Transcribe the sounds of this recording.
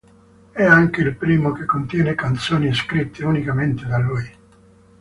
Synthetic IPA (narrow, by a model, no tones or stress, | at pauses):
ɛaŋk̟eilpɾiːmok̟ekːont̪jɛːnekant̪soːnieskɾit̪ːeunikament̪ed̪aluːj